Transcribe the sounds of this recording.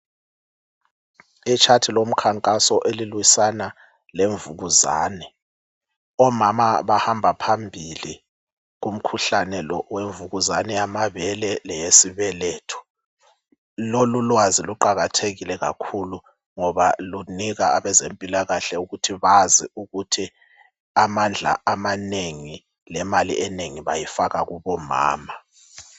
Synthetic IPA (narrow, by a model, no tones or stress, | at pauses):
it͡ʃʰatʰilom̩kʰaŋkʼasɔʔelilwisana | leɱvuɣuza̰ːnɛ | ɔmamaβahambʱapʰambʱili | ɣum̩kʰuɬanɛlɔweɱvuɣuzanɛamaβɛlɛlɛjesiβɛleːtʰu̥ | lolulwaziluǃaɣatʰeɣilɛɣa̰kʰulu | ŋɔβaluniɣaːβɛzempʼilaɣaɬɛuɣutʰiβaziuɣutʰi | amand͡ɮʱa̰amaneŋi | lɛmalḭʔɛneŋiβajifaɣaɣuβɔma̰ːma